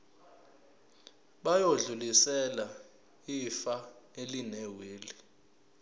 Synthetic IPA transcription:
ɓajoɮulisɛla | ifaelinɛweːli

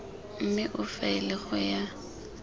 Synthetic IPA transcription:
m̩mɪʔʊfaɪlɪχʊja

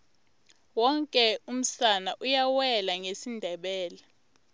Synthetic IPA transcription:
wɔŋkʼɛum̩sanaʔujawɛlaŋesindʱɛɓɛːla

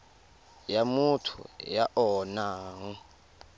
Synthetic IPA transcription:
jamutʰṵjaʔɔːnaːŋɔ

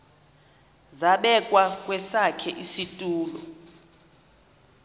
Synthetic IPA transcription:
zaɓɛkʼwakʼwɛsakʰɛʔisitʼuːlɔ̰

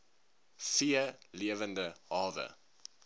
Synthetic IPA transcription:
fiəliəvəndəhɑːvə̰

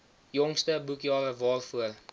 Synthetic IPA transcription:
jɔŋstəbukjɑːɾəvɑːlfuəl

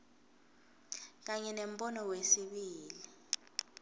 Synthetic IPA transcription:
k̬aɲɛnem̩ɓɔnɔwesiɓiːli

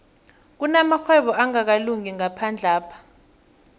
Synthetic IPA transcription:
k̬unamaxwɛɓɔʔaŋak̬aluŋiŋapʰand͡ɮʱaːpʰḁ

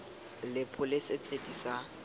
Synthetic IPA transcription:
lɪpʰʊlɪset͡sʼedisa

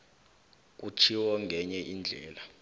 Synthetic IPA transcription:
k̬ut͡ʃʰiwɔŋɡʱɛɲɛʔind͡ɮʱɛːla

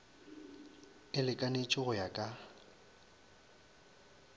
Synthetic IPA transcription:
ɪlɪkʼanet͡ʃʼɪɣʊjakʼa

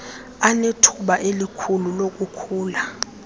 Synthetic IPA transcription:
anetʰuɓaʔelikʰululok̬ʼukʰuːla

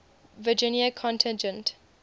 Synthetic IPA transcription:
vəd͡ʒɪ̃njəkʰɔ̃ntʰɪ̃nd͡ʒə̃nt

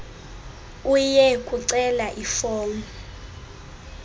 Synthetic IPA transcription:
ujɛkʼuǀɛlaʔifɔːŋu

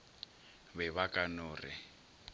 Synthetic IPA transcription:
βɛβakʼanʊːrɪ̰

